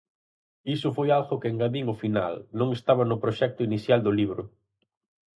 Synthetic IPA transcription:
isʊfojalɣʊkeŋɡaðiŋʊfina̰lnõŋest̪aβɐnʊpɾoʃɛk̚t̪ʊiniθjald̪ʊliβ̞ɾʊ

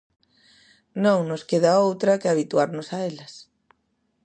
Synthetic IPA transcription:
nõŋnʊskeð̞ɐowt̪ɾɐkɪaβit̪uaɾnʊsaelɐs

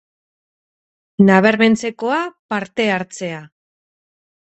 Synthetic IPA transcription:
naβ̞e̞ɾme̞nt͡se̞ko̞apaɾt̪e̞aɾt͡se̞a

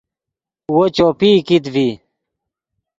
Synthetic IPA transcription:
wot͡ɕoːpiːkit̪vi

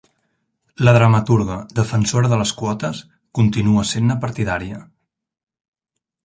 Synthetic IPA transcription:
ləðɾəmət̪uɾɣəd̪əfənsoɾəðələskwɔt̪əs | kunt̪inuəsenːəpəɾt̪iðaɾiə

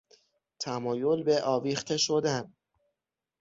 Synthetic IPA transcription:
t̪ʰæmɒːjo̞lbe̞ʔɒːviːxt̪ʰe̞ʃo̞d̪æn

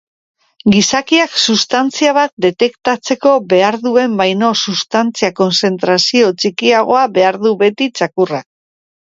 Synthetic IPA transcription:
ɡisakiaksust̪ant͡siaβ̞at̪̚d̪e̞t̪e̞kt̪at͡se̞ko̞be̞aɾðue̞mbajno̞sust̪ant͡siako̞nse̞nt̪ɾasio̞t͡ʃikiaɣ̞o̞aβe̞aɾðuβe̞t̪it͡ʃakurak̚

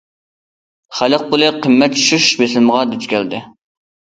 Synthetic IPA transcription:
χæləq̚pulˠɨqʰəmːɛt̪̚t͡ʃʰy̥ʃyʃbeslməʁɑd̪yt͡ʃ̪kʲɛld̪ɪ

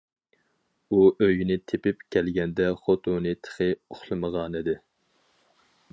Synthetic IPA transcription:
uʔøjinɪt̪ʰepɪpkʲʰɛlɡʲɛnd̪ɛχot̪ʰunɨt̪ʰə̥χɪoχlˠɨməʁɑnid̪ɪ

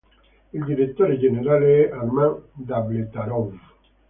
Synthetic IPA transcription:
idiɾet̪ɔɾed͡ʒeneɾaleʔaɾmãdablet̪aɾɔv

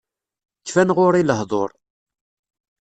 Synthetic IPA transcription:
kːfænʁʊɾiləɦðˤo̰ɾˤ

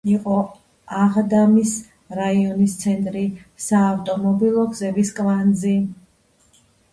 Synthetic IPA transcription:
iqʼɔ | aʁd̪amis | ɾaiɔnist̪sʰɛnt̪ʼɾisaːft̪ʼɔmɔbilˠɔɡzɛviskʼvand̪zi

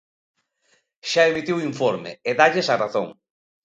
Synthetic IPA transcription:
ʃaemit̪iwiɱfoɾmḛeðaʎesaraθo̰ŋ

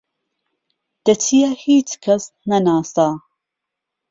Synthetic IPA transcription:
d̪̥ɐt͡ʃʰijahiːt͡ʃkʰɐs | nɐnaːsaː

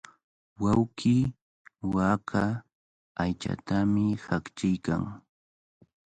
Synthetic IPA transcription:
wawkɪ | wakʰaː | jt͡ʃa̰t̪amɪhakt͡ʃɪjka̰ŋ

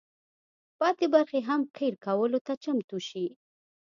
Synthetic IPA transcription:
pɑt̪ebaɾxeɦamkejɾkawəlot̪at͡ʃamt̪uʃi

